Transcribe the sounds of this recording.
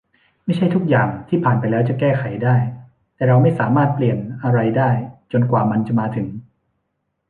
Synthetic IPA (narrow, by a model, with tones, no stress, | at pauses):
ma˥˩jt͡ɕʰa˥˩jt̪ʰu˦˥k̚jaː˨˩ŋt̪ʰiː˥˩pʰaː˨˩npa˧jlɛː˦˥wt͡ɕa˨˩kɛː˥˩xʰa˨˩˦jdaː˥˩j | t̪ɛː˨˩ɾa˧wma˥˩jsaː˩˦maː˥˩t̪̚pli˨˩ənʔa˧ɾa˧jdaː˥˩jt͡ɕo˧nkwaː˨˩ma˧nt͡ɕa˨˩maː˧t̪ʰɯ˩˦ŋ